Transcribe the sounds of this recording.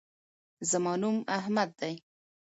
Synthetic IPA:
zəmɑnumahmad̪̚ːaj

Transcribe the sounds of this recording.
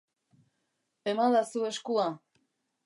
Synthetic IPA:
emalasueskua

